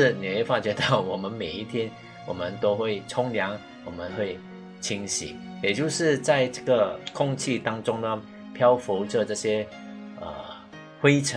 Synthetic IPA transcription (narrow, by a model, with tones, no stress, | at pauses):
ni˨˩e˥˩fa˥t͡ɕɥɛ˧˥t̪ɑ˥˩ʊwɔ˨˩mə˧˦nme˨˩ɪi˥˩t̪ʰjɛ˥n | wɔ˨˩mə˦nt̪o˥ʊxwe˥˩ɪʈ͡ʂʰʊ˥ŋljɑ˧˥ŋ | wɔ˨˩mə˦nxwe˥˩ɪ | t͡ɕʰi˥ŋɕḭ˨˩˦ | jɛ˨˩t͡ɕjo˥˧ʊʂɻ̩˥˧t͡sa˥˧ɪʈ͡ʂɤ˥˩ɡə˨kʰʊ˥˧ŋt͡ɕʰi˥˧t̪ɑ˥ŋʈ͡ʂʊ˥ŋnə˨ | pʰjɑ˥ʊfu˧˥ʈ͡ʂɤ˥˧ʈ͡ʂɤ˥˩ɕjɛ˥ | ə̰˨˩ | xwe˥ɪʈ͡ʂʰə˦